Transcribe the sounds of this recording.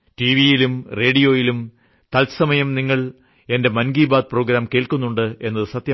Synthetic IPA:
ʈiʋijilumre̞ːɖijoːjilum | t̪ɐlsɐmɐjɐmniŋːɐɭ | e̞nde̞mɐnɡiːbaːd̪̚pro̞ːɡɾaːmke̞ːɭkunːuɳɖɨe̞nːɐðɨsɐt̪jɐ

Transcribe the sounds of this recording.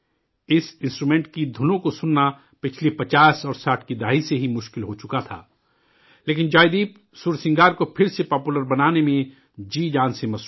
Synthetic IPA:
ɪsɪ̃nsʈɾumɛ̃ːɳʈkid̪ʱʊnõkosʊnːa | pɪt͡ʃʰlepɐt͡ʃaːsɔːɾsaːʈʰkid̪aːiseɦimʊʃkɪlɦot͡ʃʊkat̪ʰa̰ː | leːk̬ɪnd͡ʒaːɪd̪iːp̚ | suːɾsɪ̃ŋɡaːɾkopʰɪɾsepɔːpuləɾbɐnaːnemẽ | d͡ʒiːd͡ʒaːnsemɐs

